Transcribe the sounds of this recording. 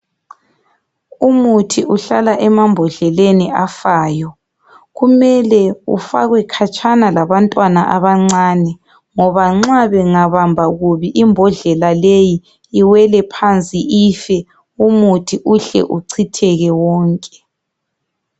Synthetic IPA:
umutʰiʔuɬalaʔɛmambʱɔɮɛleniafaːjɔ | ɣumɛlɛṵfaɣwɛkʰat͡ʃʼʰanalaβantʼwanaʔaβaŋ͡ǀaːnɛ | ŋɔβaŋ͡ǁaβɛŋaβambʱaɣuβiʔimbʱɔɮɛlaleji | iwɛlɛpʰant͡sʼiʔifɛ | umutʰiʔuɬɛ̰ʔuǀʰitʰɛɣɛwɔːŋkʼɛ̥

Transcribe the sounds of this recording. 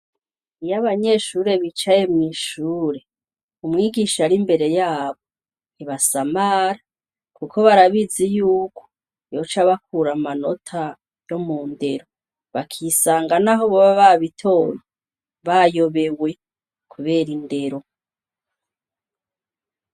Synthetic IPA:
ijaβaɲe̞ʃuːɾe̞βit͡ʃaje̞mŋiʃuːɾe̞ | umŋiːɡiʃaɾimbe̞ɾe̞jaːβo̞ | niβasamaɾa | kukʰo̞βaɾaβizijuːkʰo̥ | jo̞t͡ʃaβakuɾamano̞tʰa | jo̞muːnde̞ɾo̞ | βakʰisaːŋɡanaɦoβoβaβaβitʰo̞ːɾo | βajo̞βe̞we̞ | kʰuβe̞ːɾinde̞ɾo̞

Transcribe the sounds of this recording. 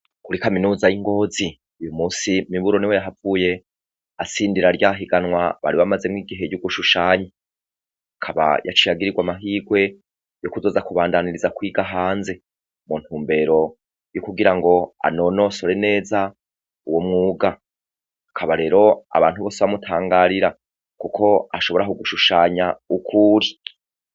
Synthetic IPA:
kuɾikaminuːzajiŋɡo̞ːzi | ujumuːsimiβuɾo̞niwe̞jaɦavuːje̞ | asiːndiɾaɾjaɦiɡanwaβa̰ɾiβamaze̞mŋiːɡiɦe̞juɡuʃuʃaːɲi | akʰaβa̰ja̰t͡ʃijaɡiɾiɡwamaɦiːɡwe̞ | jokuzo̞ːzakuβaːndaniɾizakwiːɡaɦaːnze̞ | munthuːmbe̞ɾo̞ | jukuɡiɾaŋɡo̞a̰no̞no̞so̞ɾe̞ne̞ːza | uwomŋuːɡa | akʰaβaɾe̞ːɾo̞a̰βa̰ːnthuβo̞ːseβamutʰaːŋɡaɾiɾa | kukʰo̞aʃo̞βo̞ɾakuɡuʃuʃaːɲaukʰuɾi

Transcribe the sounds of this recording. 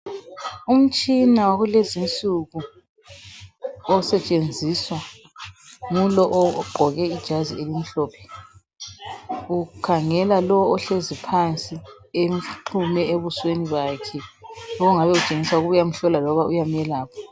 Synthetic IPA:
um̩t͡ʃʼinawaɣulezint͡sʼuɣu | ɔsɛt͡ʃʼend͡zʱiswa | ŋulɔʔɔɡ͡ǃʱɔɣɛid̥ʒ̥ʱazielim̩ɬɔːpʰɛ̥ | ukʰaŋɛlalɔɔɬezipʰant͡sʼi | em̩ǃʰumɛeβusweniβaːkʰɛlɔɔŋaβɛut͡ʃʼeŋiswaɣuβujam̩ɬɔlalɔβaʔujamjɛlaːpʰɔ̥

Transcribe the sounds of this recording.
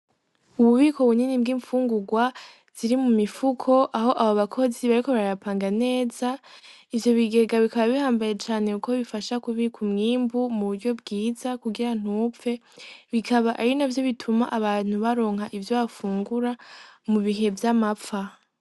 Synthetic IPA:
uβuβiːko̞βuɲinib̚ɡiːɱfuːŋɡuɡwa | z̥iɾimumifukʰo̞ʔaɦo̞ʔaβoβakʰo̞ziβaɾiko̞βaɾɾapʰaːŋɡane̞ːza | ivjo̞βiɡe̞ɡaβikaβaβihaːmbaje̞t͡ʃaːne̞ukʰoβifaʃakuβiːkʰumŋiːmbumuβuɾɟo̞bɡiːzakuɡiɾan̥uːpp͡fe̞ | βikʰaβaʔaɾinavjo̞βitʰumaʔaβaːn̥huβaɾo̞ːŋ̥haʔivjoβafuːŋɡuɾamuβiɦe̞vjamapfa

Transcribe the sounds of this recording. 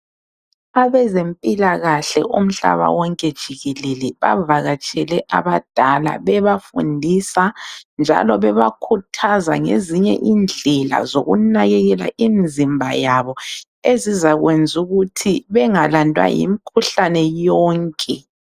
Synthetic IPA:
aβɛzempʼilaɣaɬɛ̰ʔum̩ɬa̰βa̰wɔŋkʼɛd̥ʒ̥ʱiɣɛlelɛβa̰vaɣat͡ʃʼɛlɛʔa̰βad̥ʱala̰βɛβafṵndʱisand͡ʒʱa̰lɔβɛβakʰutʰazaŋḛziɲɛ̰ʔind͡ɮʱɛla̰zoɣunaɣɛɣɛla̰ʔind͡zʱimbʱajaβɔ | ezizaɣwend͡zʱuɣutʰiβɛŋalandʱwa̰jḭmikʰuɬanɛjɔːŋkʼɛ

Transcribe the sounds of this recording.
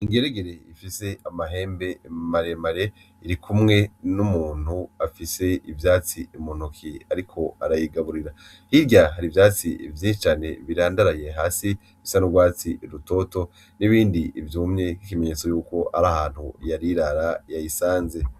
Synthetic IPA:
iŋɡeɾeɡeɾe̞ifise̞amaɦe̞ːmbe̞maɾe̞maɾe̞ | iɾikʰumŋe̞numuːn̥huafise̞ivjaːt͡siimun̥ukʰiaɾikʰo̞aɾajiɡaβuɾiɾa | hiɾɟaɦaɾivjaːt͡siivjiːʃit͡ʃaːne̞βiɾaːndaɾaje̞ɦaːsi | fisanuɡwaːt͡siɾuto̞ːto̞ | niβiːndiivjuːmɲe̞kikime̞ɲeːt͡sojuːko̞a̰ɾahaːn̥hṵjaɾiɾaɾajajisaːnze̞

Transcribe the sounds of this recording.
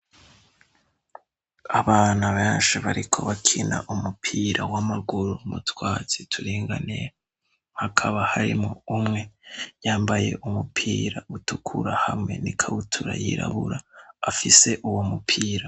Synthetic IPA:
aβaːnaβeːnʃiβaɾikʰo̞βakʰina̰ʔumupʰiːɾʔawamaɡuɾumutwaːz̥itʰuɾiːŋɡa̰neja | hakʰaβahaɾḭmoumŋe̞jaːmbaje̞̰ʔumupʰiːɾautukʰuɾahamŋe̞nikʰaβutʰuɾa̰jiɾa̰βuɾaːfise̞ʔuwo̞mupʰiːɾa

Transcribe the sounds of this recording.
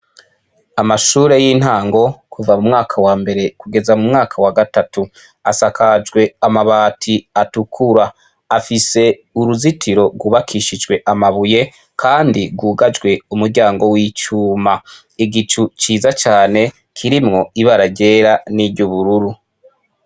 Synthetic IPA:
amaʃuːɾe̞jiːn̥haːŋɡo̞kʰuvamumŋaːkʰawaːmbe̞ɾe̞kuɡe̞zamumŋaːkʰawaɡatatu | asakad͡ʒɡwe̞amaβaːtʰiatukʰuɾaː | fise̞ | uɾuzitʰiɾo̞ɡwuβakʰiʃid͡ʒɡwe̞ʔamaβuje̞ | kʰaːndiɡwuːɡad͡ʒɡwe̞umuɾɟaːŋɡo̞wiːt͡ʃuːma | iɡit͡ʃut͡ʃiːzat͡ʃaːne̞ | kʰiɾimŋo̞iβaɾaɟe̞ːɾaniɾɟuβuɾuɾu

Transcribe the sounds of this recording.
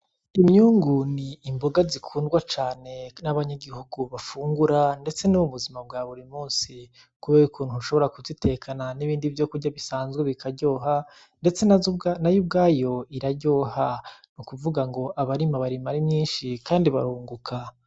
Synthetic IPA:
imɲuːŋɡuniːmbo̞ɡazikʰuːndɡwat͡ʃaːne̞naβaɲaɡihuɡuβafuːŋɡuɾande̞t͡se̞nuwuβuzimab̚ɡaːβuɾimuːnsi | kuβeukuːn̥huʃo̞βo̞ɾakuzitʰe̞kʰananiβiːndivjo̞kuɾɟaβisaːnzɡweβikʰaɾɟo̞ːɦa | nde̞t͡senajub̚ɡaːjo̞iɾaɾɟo̞ːhanukuvuɡaŋɡo̞ʔaβaɾimaβaɾimaɾimɲiːnʃikaːndiβa̰ɾuːŋɡukʰa

